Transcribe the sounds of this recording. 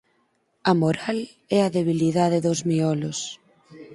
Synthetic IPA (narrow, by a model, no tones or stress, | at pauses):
ɐmoɾal | ɛɐðeβ̞iliðaðeðozmiɔlos